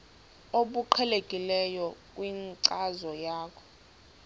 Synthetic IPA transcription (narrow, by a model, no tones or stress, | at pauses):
oɓuǃʰɛlekʼilɛjɔkʼwiŋǀazɔjaːkʰɔ̥